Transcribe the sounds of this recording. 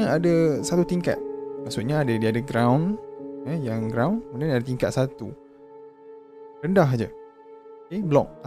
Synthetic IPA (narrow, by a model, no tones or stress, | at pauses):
adasat̪ut̪iŋka̰t̪̚maʔsuʔ̪̚ɲaːdadiadaɡɾawnəjaŋɡɾawnkmũndanadat̪iŋkat̪̚sat̪ṵ | rəndaɦad͡ʒa | keblɔk̚